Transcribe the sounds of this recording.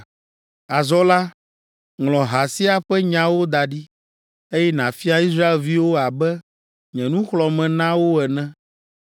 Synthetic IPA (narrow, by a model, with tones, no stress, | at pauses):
a˨zɔ˦la˦ | ŋlɔ̃˨ɦa˨si˦a˨ɸɛ˦ɲã˦wo˦d̪a˨ɖi˦ | e˦jɛ˦nã˨fi˦a˦i˦s̬ɾa˦e˨lvi˦wo˦a˨bɛ˦ | ɲɛ̃˨nũ˦xlɔ˨mɛ̃˨nã˦wo˦ɛ˨nɛ̃˦